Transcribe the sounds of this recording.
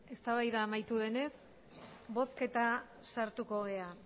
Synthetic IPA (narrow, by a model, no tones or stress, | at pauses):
e̞st̪aβajðaːmajt̪uðe̞ne̞s | bo̞ske̞t̪a | saɾt̪uko̞ɣe̞a